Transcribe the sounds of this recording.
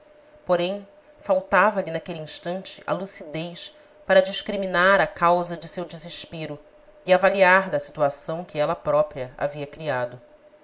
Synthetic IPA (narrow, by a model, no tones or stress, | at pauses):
poɾẽj̃ | fawt̪avɐlinakeliĩʃt̪ɐ̃nt͡ʃɪ̥ʔɐ̰lusid̪ejʃ | paɾɐd͡ʒiʃkɾiminaɾɐkawzɐd͡ʒɪsewd͡ʒizeʃpeɾʊ | iavaliaɾd̪ɐsit̪uasɐ̃w̃kɪɛlɐpɾɔpɾiɐa̰viɐkɾiad̪ʊ